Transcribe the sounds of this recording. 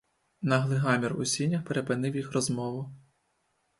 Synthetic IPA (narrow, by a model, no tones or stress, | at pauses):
nɐɦlˠɪɦɑmʲirʊ̰sʲinʲːɐxpeɾepɪnɪwjixrɔzmɔʋʊ